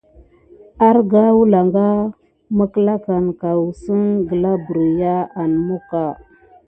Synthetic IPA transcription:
a˦ɾɡa˦wu˦la˨ŋɡa˦ | mə˦kə˦la˦ka˨nka˨wu˨sə˦nɡə˨la˦bu˨ɾi˨ja˦a˨n˨mo˦ka˨

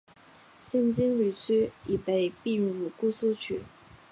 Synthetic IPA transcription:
ɕjɛ˥˩nt͡ɕi˥nly˨˩t͡ɕʰy˥i˨˩pe˧˩ɪpi˥˩ɻu˨˩ku˥˧su˥˧t͡ɕʰy̰˥˩˦

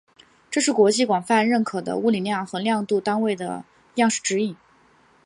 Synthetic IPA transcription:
ʈ͡ʂɤ˥˧ʂɻ̩˥˩kwɔ˧˥t͡ɕi˥˩kwɑ˨˩ŋfa˥˧nɻə˥˩nkʰɤ˨˩d̪ə̰˦u˥˩li˨˩ljɑ˥˩ŋxɤ˧˥ljɑ˥˧ŋt̪u˥˩t̪a˥nwe˥˩ɪd̪ə̰˩ | jɑ˥˧ŋʂɻ̩˥˩ʈ͡ʂɻ̩˧˥i˥˩˦

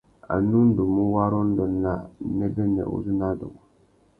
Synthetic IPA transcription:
a̰˨nu˦n̩˦du˨mu˦wa˦ɾɔ˦n̩˦dɔ˨˦la˦˨nɛ˦bɛ˦nɛ̰˨ʔṵ˦zu˦na˦dʊ̰˨u˨

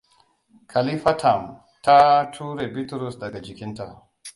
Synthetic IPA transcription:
kʰa˨li˦fa˦tʰa˨m | ta˦tʰuː˦ɾe˨bi˦tɾu˨sdɐ˨ɡa˨d͡ʒi˨kʲi˦nta˨

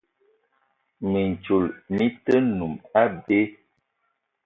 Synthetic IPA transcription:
mi˨n̩˨t͡ʃu˨lmi˦tə˦nu˨ma˦be˦

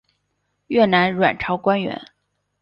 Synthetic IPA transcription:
ɥɛ˥˩na˧˥nɻwa̰˨˩nʈ͡ʂʰɑ˧˥ʊkwa˥nɥɛ̰˧˥n

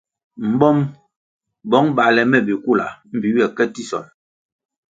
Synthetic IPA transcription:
m̩˨bɔ˦m | bɔ˨˦ŋba˨lɛ˨mɛ˦˨bi˨ku˦˨la̰˨m̩˦bi˨ɥɛ˨kɛ˦ti˦sɔ̰˨l

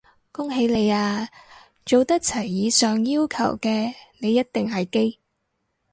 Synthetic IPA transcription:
kʊ˥ŋɦe˨˥jle˨˧jaː˧ | t͡ʃo˨wt̪ɐ˥k̚t͡sʰɐ˨˩jːiː˨˧sœː˨ŋjiː˥wkʰɐ̰˨˩wkɛː˧ne˨˧jːɐ˥t̚t̪ɪ˨ŋɦɐ˨jke˥j

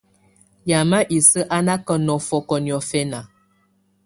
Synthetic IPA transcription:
ja˨ma˦ʔi˨sə˦ʔa˦na˦kə˦nɔ˨fɔ˦kɔ˨n˨ɔ˨fɛ˦na˨

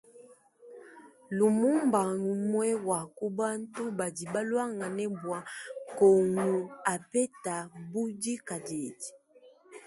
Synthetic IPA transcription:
lu˨mu˦mba˨ŋu˨mwɛ˦wa˨ku˦ba˦n˦tu˦ba˨di˨ba˦lwa˦ŋa˨nɛ˦bwa˨˦kɔ˨ŋu˨a˨pɛ˦ta˨bu˦di˦ka˨dɛ˨di̥˨

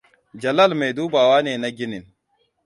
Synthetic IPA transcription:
d͡ʒɐ˨lɐ˦lma˨jduː˦baː˨waː˦neː˨na˦ɡʲɪ˦nɪ˨n

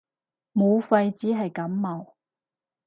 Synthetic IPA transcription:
mo˨˧wfɐ˧jt͡siː˨˥ɦɐ˨jkɐ˨˥mːɐ˨˩w

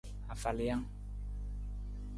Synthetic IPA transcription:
a˨fa˨li˨jã˦

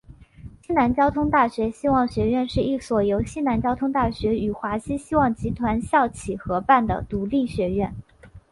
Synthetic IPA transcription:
ɕi˥na˧˥nt͡ɕjɑ˥ʊt̪ʰʊ˥ŋt̪a˥˩ɕɥɛ˧˥ɕi˥wɑ˥˩ŋɕɥɛ˧˥ɥɛ˥˧nʂɻ̩˥˧i˥˩swɔ˨˩jo˧˥ʊɕi˥na˧˥nt͡ɕjɑ˥ʊt̪ʰʊ˥ŋt̪a˥˩ɕɥɛ˧˥y˨˩xwa˧˥ɕi˥ɕi˥wɑ˥˩ŋt͡ɕi˧˥t̪ʰwa˧˥nɕjɑ˥˩ʊt͡ɕʰi˨˩xɤ˧˥pa˥˩nd̪ə̰˩t̪u˧˥li˥˩ɕɥɛ˧˥ɥɛ˥˩n

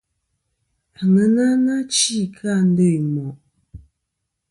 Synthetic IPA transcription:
a˨ŋə˦na˦na˦t͡ʃi˦˨kʰa˦˨n̩˦də˦˨jmɔ˨ʔ

